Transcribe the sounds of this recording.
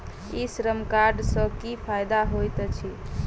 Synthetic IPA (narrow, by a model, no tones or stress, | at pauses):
isɾəmkaɾɖsə̃kipʰajd̪aɦojt̪t͡ʃʰi